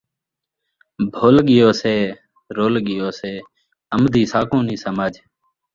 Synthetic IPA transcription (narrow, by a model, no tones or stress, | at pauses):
bʱoːlɠɪjoːseː | ɾoːlɠɪjoːseː | əmd̪ʱiːsaːkõːniːsəmaːd͡ʒ